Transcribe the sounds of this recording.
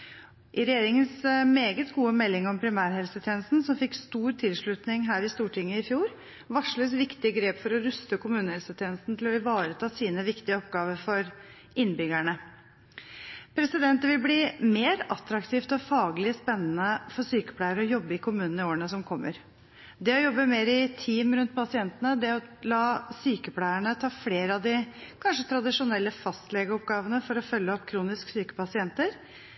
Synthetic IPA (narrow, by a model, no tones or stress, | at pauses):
ʔɪɾɛjeːɾɪŋənsmeːɡət̪ɡuːəmɛlːɪŋɔmpʰɾɪmæːɾhɛlsət̪ʰjeːnəst̪n̩sɔmfɪkst̪uːɾt̪ʰɪlʂɭʉt̪nɪŋɦæːɾɪst̪uːʈʰɪŋːəɪfjuːɾ | ʋɑʂɭøsʋɪkt̪ɪəɡɾeːpfɔɾɔɾʉst̪əkʊmʉːnəhɛlsət̪ʰjeːnəst̪n̩t̪ʰɪlɔɪʋɑːɾət̪ʰɑːsiːnəʋɪkt̪ɪəɔpɡɑːʋəɾfɔɾ | ɪnːbʏɡæɳə | pʰɾɛsɪd̪ɛnt̪əʋɪlbliːmeːɾɑt̪ɾɑkt̪ʰiːft̪ɔfɑːɡlɪspɛnːənəfɔɾsyːkə̥pʰlæɪəɾɔjɔbːəɪkʰʊmʉːnn̩ɪoːɾəɳəsɔmkʰɔmːəɾ | d̪ɛɔjɔbːəmeːɾɪt̪ʰiːmɾʉnt̪̚pʰɑsɪɛnt̪ənəd̪ɛɔlɑːsyːkəpʰlæɪəɳət̪ʰɑːfleːɾəɑd̪ɪkʰɑnʂət̪ʰɾɑd̪ɪʂʊnɛlːəfɑst̪lɛɡəɔpɡɑːʋənəfɔɾɔfœlːəɔpːkʰɾuːnɪsksyːkə̥pɑsɪɛnt̪əɾ